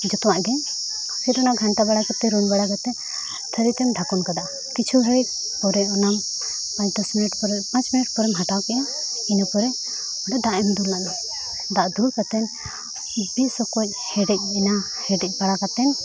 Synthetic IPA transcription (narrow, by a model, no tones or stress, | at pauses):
d͡ʒɔt̪ɔwaʔɡɛɲ | pʰiɾɔnamɡʱanʈabaɽakɛt̪ɛɾunbaɽakɛt̪ɛ | t̪ʰəɾit̪ɛmɖʱakɔnkad̪aʔa | kit͡ʃʰubʱəɽɛc̚ | pɔɾɛɔnam | pãt͡ʃd̪ɔsminiʈpɔɾɛpãt͡ʃminiʈ̚pɔɾɛmɦaʈawkɛninɔpɔɾɛ | ɔɖad̪aʔɛmd̪ulːana | d̪aʔd̪ulkat̪ɛn | bisɔkɔc̚hɛɖɛc̚ina | hɛɖɛc̚paɽakat̪ɛn